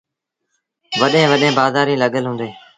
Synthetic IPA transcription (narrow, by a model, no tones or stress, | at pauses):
ʋəɗẽːʋəɗẽːbaːzaːɾĩːləɠəlɦũːnd̪eː